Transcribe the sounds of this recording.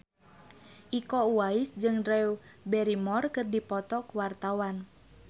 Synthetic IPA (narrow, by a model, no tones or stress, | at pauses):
ʔikɔuwaisd͡ʒɨŋrɛubɛɾimɔrkɨrdipɔt̪ɔkuwart̪awan